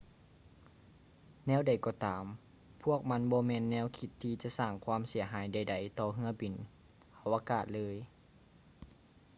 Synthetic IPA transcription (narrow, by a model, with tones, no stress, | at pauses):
nɛː˧˥˨wda˨˩jkɔː˧t̪aː˨˦m | pʰu˥˩ək̚ma˧˥˨nbɔː˧˦mɛː˧nːɛː˧˥˨wkʰi˧t̪ʰːiː˧t͡ɕa˧˨ʔsaː˧˩ŋkʰwaː˧˥˨msi˩˦ɐɦaː˨˦jda˨˩jda˨˩jt̪ɔː˧ɦɯ˧˥ɐbi˨˦n | hʰa˧˩wʔaː˧kaː˧˩t̪̚lɤː˧˥˨j